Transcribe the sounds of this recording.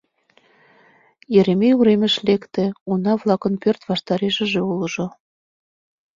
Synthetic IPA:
jeɾemijuɾemə̆ʃlekt̪ĕunɑβlˠɑkənpørt̪vɑʃt̪ɑɾeʒə̆ʒĕulɤ̆ʒo

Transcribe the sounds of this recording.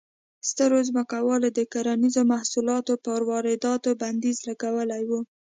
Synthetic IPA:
st̪əɾozməkawɑlod̪əkaɾanizomahsulɑt̪opəɾwɑɾɪd̪ɑt̪oband̪izlaɡawəlajwu

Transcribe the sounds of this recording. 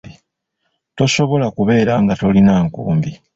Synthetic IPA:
i | to̞ʃo̞βo̞lakuβe̞ːɾaŋɡato̞linaːŋkṵːmbi

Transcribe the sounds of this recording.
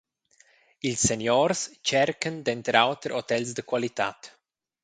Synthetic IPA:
ilsːenjɔɾst͡ʃɛrkənd̪ɛnt̪ɾawt̪ɾʔot̪ɛlsd̪əkwalit̪a̰t̪

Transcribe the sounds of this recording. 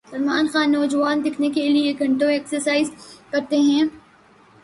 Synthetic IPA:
sɐɾmaːnxaːnːɔːd͡ʒuʋaːnd̪ɪkʰnekelieɡʱɐ̃ɳʈõeːksəɾsaːɪzkɐɾt̪eɦɛ̃ː

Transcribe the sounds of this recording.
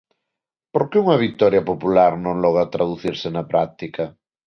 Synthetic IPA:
poɾkeuŋɐβ̞ik̚t̪ɔɾjɐpopulaɾnõŋlɔɣ̞at̪ɾaðuθiɾsenɐpɾak̚t̪ikɐ

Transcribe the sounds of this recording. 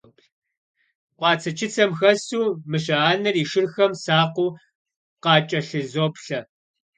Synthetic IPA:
qʷɑːt͡sʰɐt͡ʃʰɪt͡sʰɐmxɐsuːmɨɕ̬ɐaːnɐriːʃɪrxɐmsaːqʷʊː | qɑːt͡ʃʼɐɬɨzoːpɬɐ

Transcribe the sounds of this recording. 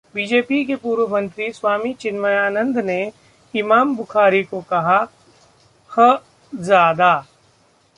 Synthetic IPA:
biːd͡ʒeːpikepuːɾʋəmə̃nt̪ɾiswaːmit͡ʃɪnməjaːnə̃nd̪ne | ɪmaːmbʊxaːɾikokɐɦa | hə | zjaːd̪aː

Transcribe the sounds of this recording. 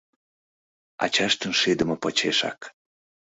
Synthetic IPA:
ɑ̰t͡ɕɑʃt̪ənʃed̪ə̆mɤ̆pot͡ɕeʃɑ̰k

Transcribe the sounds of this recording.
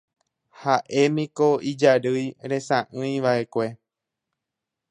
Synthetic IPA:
haʔe̞mĩkoid͡ʒaɾɨjɾe̞sãʔɨ̃j̃ʋaʔe̞kʷe̞

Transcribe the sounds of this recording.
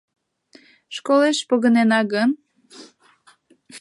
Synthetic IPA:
ʃkoleʃpoɣə̆nenɑɣən

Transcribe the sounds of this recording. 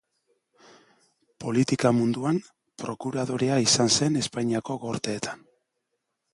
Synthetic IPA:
po̞lit̪ikamund̪uam | pɾo̞kuɾaðo̞ɾeaisanse̞ne̞spajɲiako̞ɣo̞ɾt̪e̞ːt̪ḁn

